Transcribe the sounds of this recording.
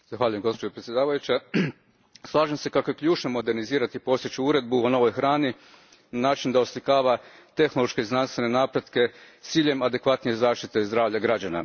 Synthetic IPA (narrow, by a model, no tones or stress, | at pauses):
z̥axʋaːʎuje̞mɡo̞spod͡ʑe̞pɾet̪sʲje̞d̪aːʋajut͡ɕa | slˠaːʒemse̞kakojekʎuːt͡ʃnomo̞d̪e̞ɾniziːɾat̪ipo̞st̪jit͡ɕuuɾe̞d̪̚buono̞ʋo̞jxɾaːni | nanaːt͡ʃind̪aoslikaːʋat̪e̞xnolˠo̞ʃke̞iznanst̪ʋe̞ne̞naːpɾe̞d̪ke̞ | t̪siːʎe̞mad̪e̞kʋat̪nije̞zaːʃt̪it̪e̞zd̪ɾaːʋʎaɡɾad͡ʑana̰